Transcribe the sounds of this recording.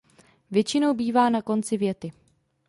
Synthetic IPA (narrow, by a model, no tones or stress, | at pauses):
vjɛt͡ʃɪno̞wbiːvaːnako̞nt͡sɪvjɛt̪ɪ